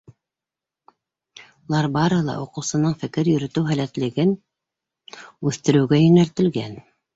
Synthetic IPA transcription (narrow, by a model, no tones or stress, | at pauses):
ulˠɑɾbɑɾɤhɤlˠɑ̰ʔuqɤ̆wsɤ̆nɤɴfɘ̆kɘɾjɵ̆ɾɵ̆t̪ɘwɦælæt̪lɘ̆ɡɘn | ʉθt̪ɘ̆ɾɘ̆wɡæjɵ̆nælt̪ɘ̆lɡæn